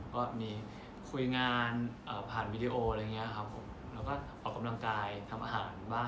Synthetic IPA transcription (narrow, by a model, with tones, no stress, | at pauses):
kɔː˥˩miː˧ | kʰu˧jŋaː˧nʔəː˨˩pʰaː˨˩nwiː˧diː˧ʔoː˧ɾa˧jŋi˦˥ɐkʰa˦˥pʰːo˨˩˦m | lɛː˦˥wkɔː˥˩ʔɔː˨˩kːa˧mla˧ŋkaː˧jt̪ʰa˧mʔaː˧ɦaː˩˦nbaː˥˩